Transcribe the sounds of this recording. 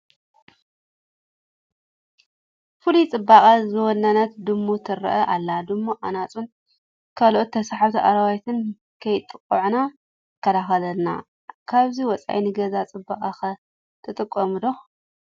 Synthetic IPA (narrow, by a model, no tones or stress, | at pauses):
fulit͡sʼɨbːaχʼɐzɨwɔnːanat̪d̪ɨmːut̪ʰɨɾɐ̰ʔɐʔalːad̪ɨmːuʔanat͡sʼun | kʰalʔot̪ːʰɐsaħaβt̪ʰiʔa̰ɾɐwajt̪ʰɨn | kʰɐjt̪ʼːɨkʼːuʕna | kʰːɐlaxɐlɐlna̰ | kʰaβziwɔt͡sʼa̰jnɨɡɐzat͡sʼɨba̰qʼaxɐ | t̪ʰɨt̪ʼɨkʼːɐmɨd̪o